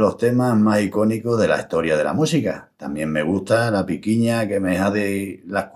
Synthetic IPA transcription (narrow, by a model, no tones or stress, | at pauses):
lo̞st̪e̞maɦmasiko̞niko̞ɦðe̞la̰ist̪o̞ɾjað̞e̞̰la̰musikat̪a̰mjẽ̞ŋme̞ɣ̞uht̪alapikiɲake̞meɦaðelahk